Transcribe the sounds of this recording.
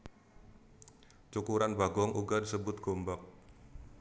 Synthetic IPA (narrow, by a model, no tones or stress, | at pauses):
t͡ʃukuɾanbaɡɔŋʔuɡadisəbʊt̪̚ɡ̥ombak̚